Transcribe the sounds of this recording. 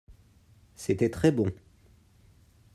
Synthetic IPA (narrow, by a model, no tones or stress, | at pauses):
set̪ɛt̪χɛbɔ̃